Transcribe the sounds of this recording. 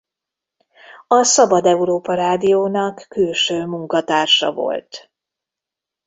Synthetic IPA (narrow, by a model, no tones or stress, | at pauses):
ɒsɒbɒd̪ɛuɾoːpɒɾaːd̪ijoːnɒkːylʃøːmuŋkɒt̪aːrʃɒ̰vo̰lt̪